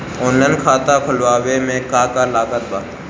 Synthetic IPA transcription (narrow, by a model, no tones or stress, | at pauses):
oːnlaːnkʰaːt̪akʰʊlʋaːʋemẽːkaːkaːlaːkət̪̚baː